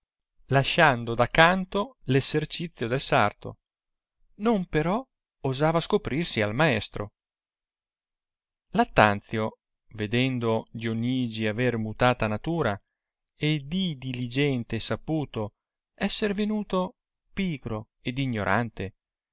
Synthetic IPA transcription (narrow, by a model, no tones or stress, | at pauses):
laʃːand̪od̪akːant̪olezert͡ʃit̪sːjod̪elsart̪o̰ | nompeɾɔ | ozaːvaskopɾirsialmaɛst̪ɾo | lat̪ːant̪sjo | ved̪ɛnd̪oʎonːiːd͡ʒiavermut̪aːt̪anat̪uːɾa | ed̪id̪ilid͡ʒɛnt̪esapuːt̪o | ɛsːeɾvenuːt̪o | piːɡɾo | ed̪iɲːoɾʔa̰nt̪e